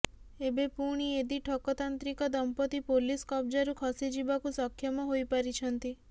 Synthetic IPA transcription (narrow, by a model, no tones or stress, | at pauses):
ebepuɽ̃ied̪iʈʰɔkɔt̪ant̪ɾikɔd̪ɔmpɔt̪ipoliskɔb̚d͡ʒaɾukʰɔsid͡ʒibakusɔkʰːjɔmɔɦojpaɾit͡ʃʰɔnt̪i